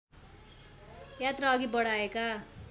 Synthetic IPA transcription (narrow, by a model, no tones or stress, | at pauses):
jat̪raːɡibʌɽaeka